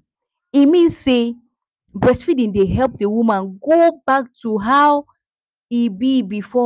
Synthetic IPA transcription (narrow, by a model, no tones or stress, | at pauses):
imĩnsːe | bɹɛsfidĩndeɦɛlp̚dewumãnɡobak̚tʰuɦaw | ibibifɔ